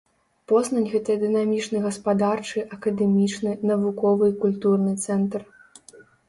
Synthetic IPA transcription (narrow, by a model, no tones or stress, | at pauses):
pɔznɐnʲɣɛt̪ɐjɐd̪ɨnamʲit͡ʂnɨɣɐspad̪art͡ʂɨʔɐkɐd̪ɛmʲit͡ʂnɨnɐvukɔvɨkulʲt̪urnɨt̪sɛnt̪r